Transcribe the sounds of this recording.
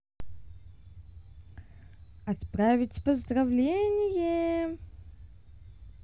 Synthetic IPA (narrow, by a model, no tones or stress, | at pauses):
ɐt̪pɾavʲɪtʲpəzd̪ɾɐvlʲenʲɪjə